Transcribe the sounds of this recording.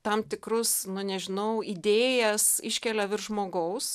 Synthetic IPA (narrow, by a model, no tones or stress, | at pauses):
t̪ɐmt̪ʲɪkrʊsnʊnʲɛʒʲɪnɐʊid̪ʲeːjɛsɪʃʲkʲɛlʲɛʋʲɪrʒmoːɡɐʊs